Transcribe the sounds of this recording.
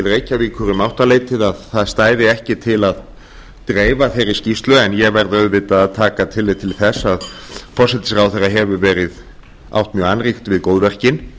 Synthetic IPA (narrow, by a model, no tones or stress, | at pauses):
ɪlreːjcaviːkʰʏɾʏmawht̪aleːjt̪ɪðaðθaðst̪aːjðɪɛhcɪt̪ʰɪlað | t̪ɾeːjvaθejɾɪ̥scist̪lʏɛnjɛɣvɛɾðœðvɪːt̪aːðt̪ʰaːkat̪ʰɪlːejt̪ʰɪlθɛsːaðpʰɔsɛt̪ɪ̥sɾaːwθɛraɦɛvʏvɛːɾɪð | a̰wht̪mjœanrixt̪vɪðkoːwðvɛr̥cɪn